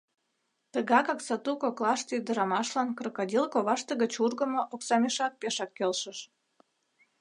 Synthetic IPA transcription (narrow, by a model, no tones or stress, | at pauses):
t̪əɣɑkɑksɑt̪ukoklɑʃt̪əyd̪ə̆ɾɑmɑʃlɑnkrəkɑdʲilkoβɑʃt̪ə̆ɣət͡ɕurɣə̆moʔoksɑmʲeʃɑk̚peʃɑkːelʃəʃ